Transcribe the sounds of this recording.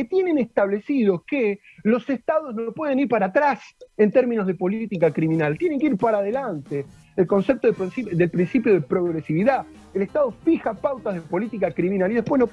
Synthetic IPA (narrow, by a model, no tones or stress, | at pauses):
ket̪jene̞nest̪aβlesiðoske | lo̞sest̪aðo̞znopweð̞e̞niɾpaɾat̪ɾasent̪eɾmĩnozð̞epo̞lit̪ikakɾimĩnalt̪je̞neŋkeiɾpaɾaðelant̪eː | lko̞nsep̚t̪oðesid̪elpɾinsipjoð̞epɾo̞ɣɾesiβiða | eleht̪aðo̞fixapawt̪aðepo̞lit̪ikakɾimĩnaliðe̞hpweɦno